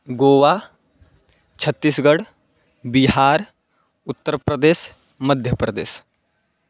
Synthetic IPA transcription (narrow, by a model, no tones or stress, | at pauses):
ɡoːʋa | t͡ʃʰət̪ːisɡəɽ | biɦaːɾ | ʊt̪ːəɾpɾəd̪eːʃ | məd̪ʱjəpɾəd̪ḛːs